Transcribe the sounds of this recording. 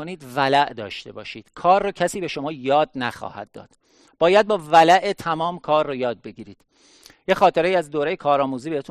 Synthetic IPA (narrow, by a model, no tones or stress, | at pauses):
oniːd̪vælæʔd̪ɒːʃt̪e̞̰bɒːʃiːd̪̥kʰɒːrːoːcʰæsiːbe̞ʃo̞mɒːjɒːd̪̚næxɒ̰ːhæ̰d̪̥̚ːɒ̰ːd̪̥ | b̥ɒːjæd̪̚bɒːvælæʔet̪ʰæmɒːmkʰɒːrːojɒːd̪̚be̞ɟiːɾiːd̪̥ | jexɒːt̪ʰeɾeiːæzd̪oːɾejekʰɒːɾɒːmuːziːbeɾet̪u